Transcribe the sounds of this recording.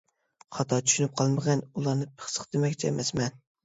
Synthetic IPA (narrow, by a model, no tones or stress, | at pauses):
χɑt̪ʰɑt͡ʃʰy̥ʃynyp̚qʰɑlˠmɨʁɛnulˠɑɾnɨpʰə̥χsə̥χd̪̥emɛkʲt͡ʃʰɛɛmʔɛsmɛn